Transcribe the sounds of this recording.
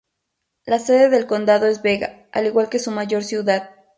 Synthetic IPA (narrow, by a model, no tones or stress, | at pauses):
lase̞ðe̞ðe̞lko̞nd̪aðo̞e̞zβe̞ɣa̰ | a̰liɣwalke̞sumaʝo̞ɾsjuðað